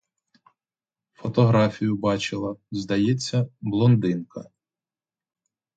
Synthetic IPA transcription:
fɔt̪ɔɦɾɑfʲijʊbɑt͡ʃɪlˠɐzd̪ɐjɛt͡sʲːɐblˠɔnd̪ɪnkɐ

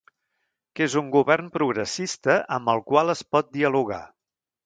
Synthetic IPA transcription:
kezuŋɡuβɛrmpɾuɣɾəsist̪əʔəmbəlˠkwalˠəspɔt̪̚d̪iəluɣa̰

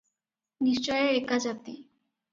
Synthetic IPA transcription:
niʃt͡ɕɔjeɾekːad͡ʑat̪i

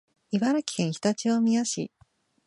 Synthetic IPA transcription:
ibaɾakʲi̥hẽɰ̃çʲi̥t̪at͡ɕiβamʲijaɕḭ

